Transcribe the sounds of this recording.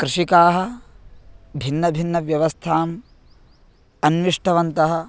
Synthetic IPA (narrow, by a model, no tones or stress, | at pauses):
kɾuʂikaːɦɐ̆ | bʱinːɐbʱinːɐʋjɐʋɐst̪ʰaːm | ɐnʋiʂʈʰɐʋɐnt̪ɐɦɐ̆